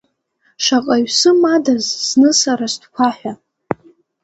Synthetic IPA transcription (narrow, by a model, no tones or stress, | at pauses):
ʂaqʼaɥsɨmadazznɨsaɾastʰʼkʷʰaħʷᶣa